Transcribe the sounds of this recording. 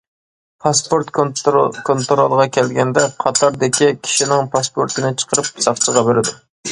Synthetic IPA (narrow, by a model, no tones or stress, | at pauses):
pʰɑspoɾt̪kʰont̪ɾolˠʁɑkʲʰɛlɡʲɛnd̪ɛqʰɑt̪ʰɑɾd̪ɪkʲikʲʰi̥ʃinɪŋpʰɑspoɾt̪ʰɨnɪt͡ʃʰə̥qʰəɾɨp̚sɑχt͡ʃʰəʁɑbeɾɪd̪u